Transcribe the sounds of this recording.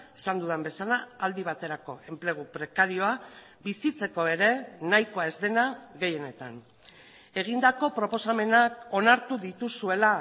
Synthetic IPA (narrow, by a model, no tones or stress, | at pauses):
e̞sand̪uðembe̞salaːld̪iβ̞at̪e̞ɾako̞e̞mple̞ɣ̞upɾe̞kaɾio̞a | bisit͡se̞ko̞e̞ɾe̞najkoaezðe̞naɣe̞je̞ne̞t̪an | e̞ɣ̞ind̪ako̞pɾo̞po̞same̞nako̞naɾt̪uðit̪usue̞la